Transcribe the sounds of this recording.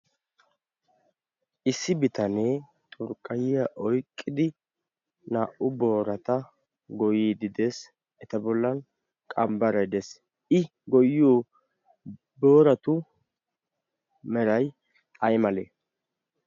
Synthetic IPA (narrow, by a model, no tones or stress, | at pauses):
ʔɪsːɪbɪt̪ɐneː | t̪ʼʊɾkʼːɐjɪjɐʔɔjkʼːɪd̪ɪ | naːʔʊbo̞ːɾɐt̪ɐ | ɡɔjiːd̪ɪd̪es | ɛt̪ɐbɔlːɐn | kʼɐmbɐɾɐjd̪ɛs | ʔɪ | ɡɔjoː | bo̞ːɾɐt̪ʊ | mɛɾɐj | ɐjmɐlḛː